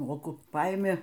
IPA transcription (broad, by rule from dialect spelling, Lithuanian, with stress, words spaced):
ˈmoːkʊ ˈpɐɪmʲɪ